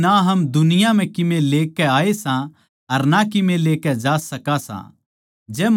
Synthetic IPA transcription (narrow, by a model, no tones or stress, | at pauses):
aɦɐmd̪ʊnɪjãm̤ɛ̃kɪmẽleːkɛaːesã | ɐɾnakɪmẽleːkɛd͡ʒaːsɐkasã̰ | d͡ʒɛːm